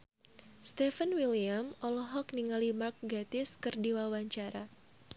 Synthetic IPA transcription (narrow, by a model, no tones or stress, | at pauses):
st̪ɛfənwiliamɔlɔɦɔk̚niŋalimark̚ɡat̪ɪskɨrdiwawaɲt͡ʃaɾa